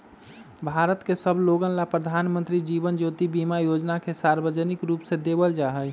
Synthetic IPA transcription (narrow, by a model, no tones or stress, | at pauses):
bʱaɾət̪kesəbʱloɡənlapɾəd̪ʱanmə̃nt̪ɾid͡ʒibənd͡ʒot̪ibimajod͡ʒnakesaɾbəd͡ʒənikɾupsẽd̪ebəld͡ʒaɦəj